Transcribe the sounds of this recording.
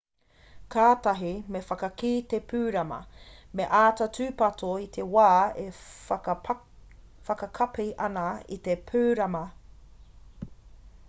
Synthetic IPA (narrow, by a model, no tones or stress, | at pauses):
kʰaːtɐɦimefɐkɐkiːt̪epʰʉːɾɐmɐ̰ | meʔaːtɐtʉːpɐtʰoit̪ʰewaːe | fɐkɐkʰɐpiʔɐnɐḭt̪epʰʉːɾɐmɐ